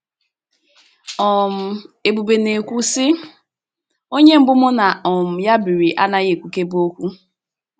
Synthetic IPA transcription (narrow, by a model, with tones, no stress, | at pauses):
ɔ˨m̩˨e˨bu˨be˨ne˨kʷu˦sɪ˦ | o˦ɲe˦m̩˦bʊ˦mʊ˦na˨ɔ˨m̩˨ja˦bi˨ɾi˨ʔa̰˦na˦ɣe˨kʷu˨ke˦bo˦kʷu˦